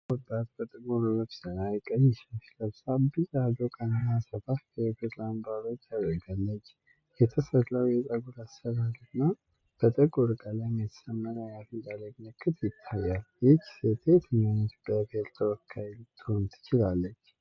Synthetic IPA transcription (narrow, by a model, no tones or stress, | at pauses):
wɔt̪ʼːat̪bət̪ʼəɡuɾəməβsənajɛkʼəɲːɛʃʃləβsabɨzad̪okʼənənːasəfafʰəɛfet̪lanbaɾot͡ʃ̪ʰaβəɡalːət͡ʃː | jɛt̪ʰəsət̪ləwjɛt̪ʼəɡulasəβalɨna | b̥ət̪ʼəɡʼoɾkʼalajmjɛt̪ʰə̥səmːənəjafid̪ʼaləɡnəkʼːɨt̪ʰjɪt̪ʰːajːaljɪtset̪ʰet̪ʰɨɲanət̪bəabelt̪ʰəwɔkʰːajlt̪ʰont̪ʰɨ̥t͡ʃɪlalːət͡ʃː